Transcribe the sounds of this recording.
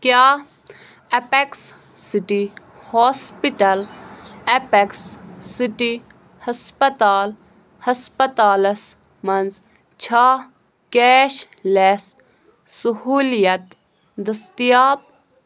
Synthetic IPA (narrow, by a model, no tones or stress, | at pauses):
kjaː | ɐpeksː | iʈi | hoːspiʈɐlepeksːiʈi | hɐspɐt̪aːl | hɐspɐt̪aːlɐs | mɐnz | t͡ʃʰa | keːʃ | les | suhuːlijɐt̪ | d̪ɐst̪ijaːp̚